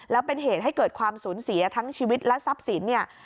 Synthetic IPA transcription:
lɛː˦˥wpe˧nɦeː˨˩t̪̚ɦa˥˩jkɤː˨˩t̪̚kʰwaː˧msuː˩˦nsi˩˦ɐ˦t̪ʰa˦˥ŋt͡ɕʰiː˧wi˦˥t̪̚lɛ˦˥sa˦˥p̚si˩˦nːi˥˩ɐ

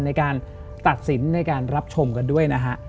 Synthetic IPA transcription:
na˧jkaː˧n | t̪a˨˩t̪̚si˩˦nːa˧jkaː˧nɾa˦˥p̚t͡ɕʰo˧mka˧ndu˥˩əjna˦˥kʰa˦˥ʔ

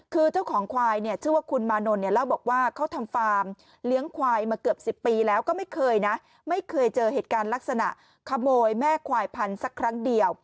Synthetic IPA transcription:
kʰɯː˧t͡ɕa˥˩wkʰɔː˩˦ŋkʰwaː˧jni˥˩ət͡ɕʰɯ˥˩waː˥˩kʰu˧nmaː˧no˧nːi˥˩ɐla˥˩wbɔː˨˩k̚waː˥˩kʰa˦˥wt̪ʰa˧mfaː˧m | li˦˥əŋkʰwaː˧jmaː˧kɯ˨˩əp̚si˨˩pːiː˧lɛː˦˥wkɔː˥˩ma˥˩jkʰɤː˧jna˦˥ | ma˥˩jkʰɤː˧jt͡ɕɤː˧heː˨˩t̪̚kaː˧nla˦˥k̚sa˧na̰˨˩ʔ | kʰa˧moː˧jmɛː˥˩kʰwaː˧jpʰa˧nsa˦˥kʰːɾa˦˥ŋdi˧əw

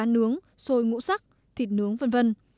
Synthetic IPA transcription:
a˨˦nɨ˨˦əŋso˧jŋṵ˧˥sa˦˥k̚ | t̪ʰi˨˩t̚nɨ˨˦əŋvə˧nvə˧n

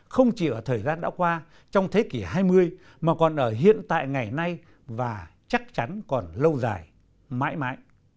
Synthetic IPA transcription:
xə˧wŋ͡mt͡ɕi˨˩ʔəː˧˩t̪ʰəː˨˩jzaː˧nɗa̰ː˧˥kwaː˧ | t͡ɕɔ˧wŋ͡mt̪ʰe˨˦ki˧˩ɦaː˧jmɨ˧əj | maː˨˩kɔ˨˩nʔəː˧˩ɦḭ˧˨ənt̪a̰ː˧˨jŋa˨˩jna˧j | vaː˨˩t͡ɕa˦˥k̚t͡ɕa˨˦nkɔ˨˩nlə˧wza̰ː˨˩j | ma̰ː˧˥jma̰ː˧˥j

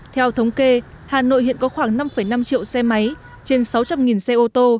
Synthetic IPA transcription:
t̪ʰɛ˧wt̪ʰə˨˦wŋ͡mke˧ | haː˨˩no̰˧˨jhḭ˧˨ənkɔ˨˦xwaː˧˩ŋna˧mfə˧˩jna˧mt͡ɕḭ˧˨ə˨wsɛ˧ma˨˦j | t͡ɕe˧nsa˨˦wt͡ɕa˧mŋi˨˩nsɛ˧ʔo˧t̪o˧

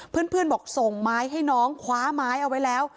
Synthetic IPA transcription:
pʰɯ˥˩ənpʰɯ˥˩ənbɔː˨˩k̚so˨˩ŋmaː˦˥jɦa˥˩jnɔː˦˥ŋkʰwaː˦˥maː˦˥jʔa˧wa˦˥jlɛː˦˥w

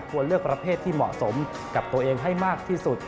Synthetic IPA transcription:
kʰu˧ənlɯ˥˩ək̚pɾa˧pʰeː˥˩t̪ʰːiː˥˩mɔ̰˨˩ʔso˩˦m | ka˨˩p̚t̪u˧əʔeː˧ŋɦa˥˩jmaː˥˩k̚t̪ʰiː˥˩su˨˩t̪̚

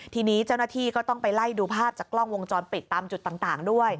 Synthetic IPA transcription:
t̪ʰiː˧niː˦˥t͡ɕa˥˩wnaː˥˩t̪ʰiː˥˩kɔː˥˩t̪ɔ˥˩ŋpa˧jla˥˩jduː˧pʰaː˥˩p̚t͡ɕaː˨˩klɔ˥˩ŋwo˧ŋt͡ɕɔː˧npi˨˩t̪ːaː˧mt͡ɕu˨˩t̪ːaː˨˩ŋt̪aː˨˩ŋdu˥˩əj

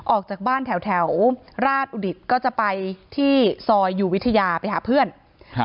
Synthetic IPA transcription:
ʔɔː˨˩k̚t͡ɕaː˨˩k̚baː˥˩nt̪ʰɛ˩˦wt̪ʰɛ˩˦wɾaː˥˩t̪̚ʔuː˧di˨˩t̪̚kɔː˥˩t͡ɕa˨˩ʔpa˧jt̪ʰiː˥˩sɔː˧jːuː˨˩wi˦˥t̪ʰːa˧jaː˧pa˧jɦaː˩˦pʰɯ˥˩ən

